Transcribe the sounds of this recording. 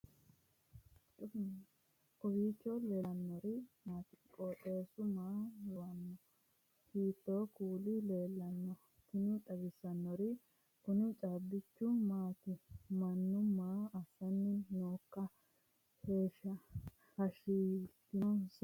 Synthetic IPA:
ɔwiːt͡ʃːɔleɐnːɔɾɪmaːt̪ɪ̥kʼoːtʼe̞ːsʊmaːjɔwɐnːɔ | hiːt̪ːoːkuːlɪleːlːɐnːɔ | t̪ɪnʊᶑ̪ɐɡɪsɐnːɔɾɪ | ʔʊnɪt͡ʃʼabːɪt͡ʃːʊmaːt̪ɪmɐnːʊmːaːɐsɐnːɪnoːkːɐ | he̞ːʃːɐ | hɐʃiːt̪ːɪnɔns

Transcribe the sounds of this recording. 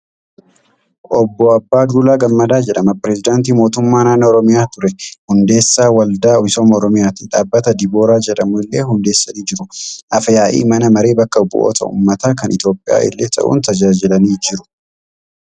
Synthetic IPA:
ʔɔbːɔɐbːaːd̪uːlaːɡɐmːɐd̪aːd͡ʒɛᶑɐmɐpɪɾɛzɪd̪aːnt̪iːmo̞ːt̪ʊmːaːnaːnɐɔɾɔmɪjaːt̪ʊɾɛhʊnd̪e̞ːsːaːwɐld̪aːɪsoːmɔɾɔmɪjaːt̪ɪᶑaːbːɐt̪ɐd̪ɪbo̞ːɾaːd͡ʒɛᶑɐmʊɪlːeːhʊnd̪e̞ːsːɐniːd͡ʒɪɾʊʔɐfɐjaːʔḭːmɐnɐmɐɾe̞ːbɐkːɐbʊ̰ʔo̰ːt̪ʰɐ̰ʔṵːmːɐt̪aːkɐnʔɪt̪jo̞ːpʼːɪja̰ːʔɪ̰lːeːt̪ɐ̰ʔṵːnt̪ɐd͡ʒaːd͡ʒɪlɐniːd͡ʒɪɾʊ

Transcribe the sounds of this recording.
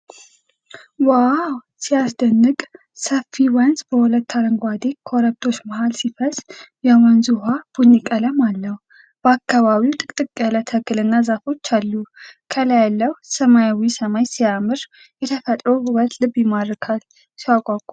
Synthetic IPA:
wawsijasd̪ənːɨkʼ | səfːiwənzbəhʊlət̪ːaɾəŋɡʷad̪ekʰoɾək̚t̪ʰo̞t͡ʃːmahalsifəz̥jawanzuhab̥uɲːikʼələmalːəhu | b̥əakːaβaβiwt̪ʼɨkʼt̪ʼɨkʼələt̪ʰəkɨlɨnːazafo̞t͡ʃːalːukʰələjalːəwsəmajawisəmajsiamɨɾ | jɛt̪ʰəfət̪ʼɾohɨwət̪lɨbjɪmad̪ɾɨkʰal | siwakʼakʼu

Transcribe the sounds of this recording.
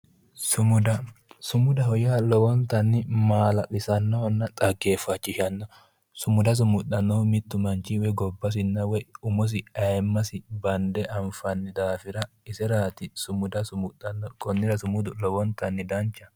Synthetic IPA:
sʊmʊd̪ɐsʊmʊd̪ɐɦɔjaːlɔwɔnt̪ɐnːɪmaːlɐʔɪsɐnːɔnːɐt̪ʼɐɡːeːfɐt͡ʃːɪʃɐnːɔ | sʊmʊd̪ɐs̬ʊmʊtːɐnːɔmɪt̪ːʊmɐnt͡ʃːɪwɛɡɔbːɐs̬ɪnːɐwɔjʊmɔs̬ɪɐjmːɐsɪbɐnd̪ɛʔɐmfɐnːɪd̪aːfɪɾɐ | ɪsɛɾaːt̪ɪsʊmʊd̪ɐsʊmʊtːɐnːɔkʼɔnːɪɾɐsʊmʊd̪ʊlɔwɔnt̪ɐnːɪd̪ɐnt͡ʃːɐ

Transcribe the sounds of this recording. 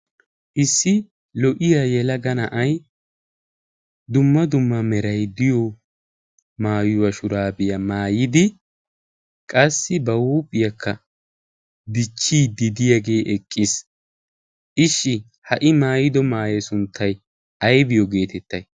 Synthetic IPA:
ʔɪsːɪ | lɔʔɪjajɛlɐɡɐnɐʔɐj | d̪ʊmːɐd̪ʊmːɐmɛɾɐjd̪ɪjɔ | maːjʊwɐʃʊɾaːbɪjɐmaːjɪd̪ɪ | kʼɐsːɪbɐwuːpʼːɪjɐkːɐ | b̪ɪt͡ʃːiːd̪ɪd̪ɪjɐɡe̞ːʔɛkʼːɪs | ʔɪʃːɪ | hɐʔɪmaːjɪd̪ɔmaːjɛsʊnt̪ʰːɐj | ɐjbɪjɔɡe̞ːt̪ɛt̪ːɐj

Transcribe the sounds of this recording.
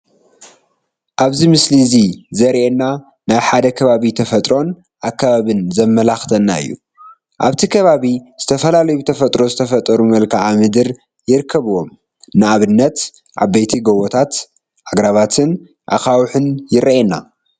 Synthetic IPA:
ʔaβzimɨslizizɐɾʔenːa | naβħad̪ɐkʰɐβaβit̪ʰɐfɐt̪ʼɾo̞n | ʔakʰːaβaβɨnzɐmːɐlaxt̪ʰɐnːa̰ɨ̰jːṵ | ʔaβt̪ʰikʰɐβaβiz̥ɨt̪ʰɐfɐlalɐjubɨt̪ʰɐfɐt̪ʼɾo̞zɨt̪ʰɐfɐt̪ʼɐɾumɐlkʰaʕamɨd̪ɨɾ | jɪɾɨkʰːɐβɨwo̞m | nɨaβɨnːɐt̪ | ʔa̰bejt̪ʰiɡowot̪ʰat̪ | ʔaɡɾaβat̪ʰɨn | ʔa̰xawħɨnjɪɾʔenːa

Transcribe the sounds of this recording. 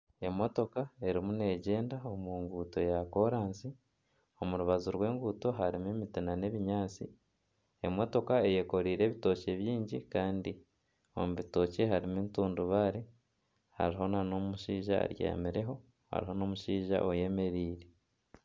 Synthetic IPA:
e̞mo̞to̞kae̞ɾimune̞ɟe̞ːndao̞muːŋɡuːto̞jako̞ɾaːnsi | o̞muɾuβazuɾwe̞ːŋɡuːto̞ɦaɾimemitinane̞βiɲaːt͡si | e̞mo̞to̞kae̞je̞ko̞ɾiːɾe̞ːβito̞ce̞βjiːɲɟikaːndi | o̞̰muβito̞ce̞ɦaɾimentuːnduβaɾe | ha̰ɾiɦo̞nanomuʃiːʒa̰ɾjḛmiɾe̞ɦo̞ | ha̰ɾiɦo̞no̞ːmuʃiːʒa̰ʔoje̞me̞ɾiːɾe

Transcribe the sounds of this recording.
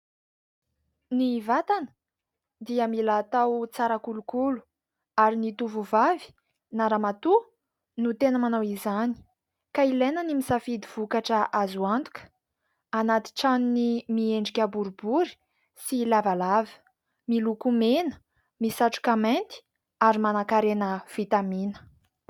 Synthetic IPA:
nivat̪anə̥ | d̪iəmilat̪awt͡saɾakulukulu̥ | aɾinit̪uvuvavi̥ | naɾamat̪u | nut̪enəmanawizani̥ | kailenənimisafid̪iv̥ukaʈ͡ʂəʔazuant̪u̥kə̥ | anat̪i̥ʈ͡ʂaninimieɳɖ͡ʐikʲəbuɾubuɾi̥ | silavalavə̥ | milukumenə̥ | misaʈ͡ʂu̥kament̪i̥ | aɾimanakaɾenəv̥it̪aminə̥

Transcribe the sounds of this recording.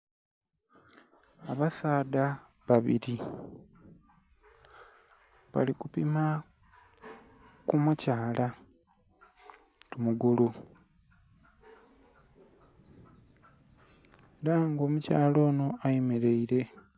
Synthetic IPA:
aβasaːd̪a | βaβḭɾi | βa̰likupima | kumucaːla | tumuɡulu | eɾaŋɡo̞mucaːlo̞ːno̞ajemeɾe̞iɾe̞

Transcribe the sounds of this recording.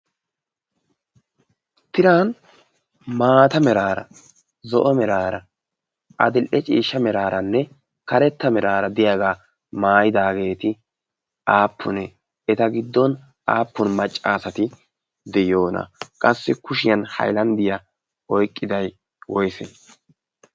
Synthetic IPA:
t̪ɪɾan | maːt̪ɐmɛɾaːɾɐ̰ | zɔʔɔmɛɾaːɾɐ | ʔɐd̪ɪlʔɛt͡ʃʼḭːʃːɐmɛɾaːɾɐnːɛ | kɐɾɛt̪ːɐmɛɾaːɾɐd̪ɪjaːɡaː | maːjɪd̪aːɡe̞ːt̪ɪ | aːpʰːʊnɛ | ɛt̪ɐɡɪd̪ːɔn | aːpːʊnmɐt͡ʃʼːaːsɐt̪ɪ | d̪ɛjo̞ːnɐ̰kʼɐsːɪkʊʃɪjɐnhɐ̰jlɐnd̪ɪjɐ | ɔjkʼːɪd̪ɐj | wɔjsḛ

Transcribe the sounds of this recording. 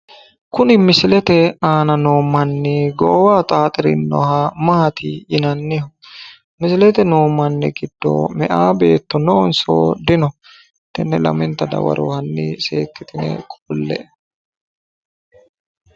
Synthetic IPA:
kʊnɪmɪsɪlɛt̪ɛaːnɐnoːmːɐnːɪɡɔːwaːt̪ʼaːt̪ʼɪɾɪ̰nːɔ̰hamɐhɐt̪ʰɪjɪnɐnːɪhʊ | mɪsɪlɛt̪ɛnoːmːɐnːɛ̰ɡɪd̪ːo̰ːmɛʔaːbe̞ːt̪ːɔnɔnso̰ːd̪ɪnɔ | t̪ːɛnːɛlɐ̰mɪnt̪ɐd̪ɐ̰wɐ̰ɾo̰ːhɐnːɪseːkːɪt̪ɪnɛ̰kʼʊlːɛ̰ʔ

